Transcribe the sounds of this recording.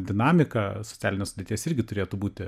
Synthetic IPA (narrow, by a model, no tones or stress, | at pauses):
d̪ʲɪnɑːmʲɪkɐsott͡s̪ʲæːlʲɪnʲeːsʊdʲet̪ʲiːsɪɾʲɡʲɪt̪ʊɾʲeːt̪ubuːt̪ʲɪ